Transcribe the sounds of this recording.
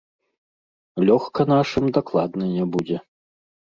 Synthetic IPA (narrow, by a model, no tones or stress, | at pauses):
lʲɔxkɐnaʂɨmd̪aklˠad̪nɨnʲɛbud͡zʲɛ